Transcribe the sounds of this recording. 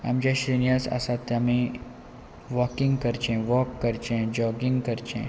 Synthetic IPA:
ɐ̰md͡ʒaʃɾinijaːsa̰sat̪ɐmẽ | ʋɔːkɪ̃ŋɡkɐɾt͡ʃẽʋɔːkːɐɾt͡ʃẽd͡ʒɔːɡĩŋɡkɐɾt͡ʃʰḛ̃

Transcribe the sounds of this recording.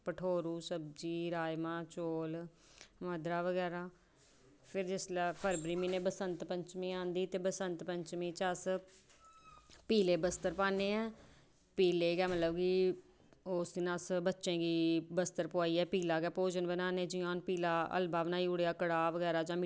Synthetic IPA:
pəʈʰoːɾuːsəb̚d͡ʒiːɾaːjmãːt͡ʃoːl | məd̪ɾaːʋəɡɛːɾaː | pʰɪɾd͡ʒɪslpʰəɾbɾiːmiːneːbəsənt̪pəɲt͡ʃmĩːãːnd̪iːt̪eːbəsənt̪pəɲt͡ʃmĩːt͡ʃəs | piːleːbəst̪əɾpaːneːɛ̃ː | piːleːɡɛːmət̪ləbkiː | oːsd̪iːnaːsbətːʃẽːɡiːbəst̪əɾpʊaːiːɛːpiːlaːɡɛːpoːd͡ʒənbənaːnẽːd͡ʒɪãːnpiːlaːə̰lbaːʋnaːiʊɽejaːkəɽaːʋəɡɛːɾaːd͡ʒãːm

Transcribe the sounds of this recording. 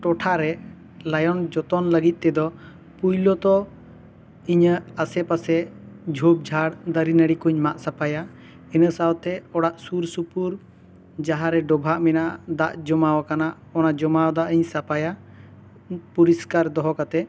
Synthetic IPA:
ʈɔʈʰaɾɛ | lajɔnd͡ʒɔt̪ɔnləɡit̪̚ˀt̪ɛd̪ɔ | pujlɔt̪ɔ | iɲəasɛpasɛd͡ʒʱup̚d͡ʒʱaɽd̪əɾinəɽikuɲmaʔsapaja | inəsawt̪ɛɔɽaʔsuɾsupuɾ | d͡ʒaɦaɾɛɖɔbʱaʔmɛnaʔd̪aʔd͡ʒɔmawakanaʔ | ɔnad͡ʒɔmawd̪aʔəɲsapaja | puɾiskaɾd̪ɔɦɔkat̪ɛ

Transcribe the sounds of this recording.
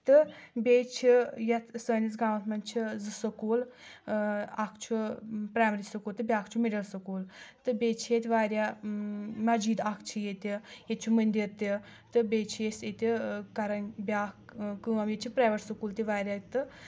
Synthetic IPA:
t̪ɨbʲeːt͡ʃʰijɐt̪ʰsəːnʲisɡaːmɐt̪ʰmɐnʲt͡ʃʰizɨsɐkuːl | ɐkʰt͡ʃʰupɾaːmɐɾisɐkuːlt̪ɨbʲaːkʰt͡ʃʰimiɖɐlsɐkuːlt̪ɨbʲeːt͡ʃʰijet̪ʲʋaːɾʲjaː | mɐd͡ʒiːd̪ɐkʰt͡ʃʰijet̪ʲijet̪̚t͡ʃʰumɨnʲd̪iɾt̪i | t̪ɨbʲeːt͡ʃʰijeset̪ʲikɐɾɐnbʲaːkkɨːɐmjet͡ʃʰipɾaːʋɐʈsɨkuːlt̪iʋaːɾʲaːt̪ɨ

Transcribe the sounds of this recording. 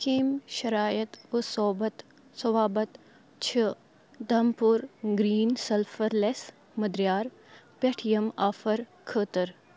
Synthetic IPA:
kiːmʃɐɾaːjət̪ʋɨsoːbɐt̪ | sɐʋaːbɐt̪ | t͡ʃʰɪ | d̪ʱɐmpuɾɡɾiːnsɐlfʰɐɾles | mɐd̪ɾjaːɾ | peʈʰijɐmaːfɐɾ | kʰəːt̪ɐɾ

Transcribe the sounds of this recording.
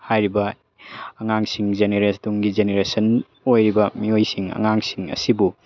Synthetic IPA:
hajɾibɐ | ɐŋaŋsiŋzeneɾeduŋɡizeneɾesɐn | ojɾibɐmiojsiŋɐ̰ŋaŋsiŋɐ̰sibu

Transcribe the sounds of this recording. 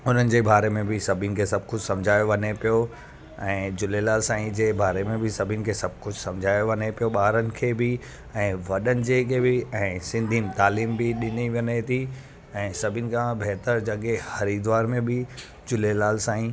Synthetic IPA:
ʊn̤ənɪ̆d͡ʑeːbaːɾemẽbɪsɐbʱinɪ̆kʰeːsɐb̚kʊd͡ʑʱsɐ̃md͡ʑʱaːjoʋɐnepijo | ɛ̃ːd͡ʑʊlelaːlsãːĩd͡ʑeːbaːɾemẽbɪsɐbʱɪənɪ̆kʰeːsɐb̚ʱkʊd͡ʑʱsɐ̃md͡ʑʱaːjoʋɐnepijoɓaːɾənɪ̆kʰeːbɪ | ɛ̃ːʋɐɗənɪ̆d͡ʑeːkebɪɛ̃ːsɪ̃nd̪ʱimt̪aːliːmbɪɗɪniʋənet̪ʰi | ɛ̃ːsɐbʱiɪnɪ̆kʰãbɛɦt̪əɾd͡ʑɐɠehɐɾid̪ʋaːɾmẽbɪ | d͡ʑʊlelaːlsãːĩ

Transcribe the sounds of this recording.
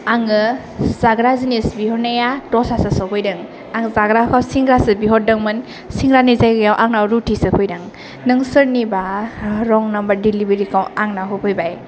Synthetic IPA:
aŋɯ | zaɡɾazinisbiɦɔnajatɔsasasɔpʰɔjdɯŋ | aŋzaɡɾakʰawsiŋɡɾasɯbiɦɔdɯŋmɯn | siŋɡɾanizajɡɯjawʔaŋnawɾutʰisɯpʰɔjdɯŋ | nɯŋsɯɾnibaɾɔŋnambaɾdilibeɾikʰawaŋnaɦupʰɯjbaj

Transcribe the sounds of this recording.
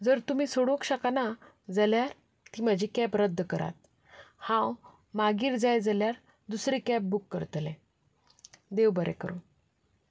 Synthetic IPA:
d͡zəɾt̪um̤iːsoɽokɕakana | d͡zaljaɾ | t̪iːm̤əd͡ʑʱikɛpɾəd̪ʱːəkəɾa̰t̪̚ | hãw | maɡiːɾd͡zajd͡zaljaɾ | d̪usɾikɛp̚bukːəɾt̪lɛ̃ | d̪eʋbəɾɛ̰kəɾo

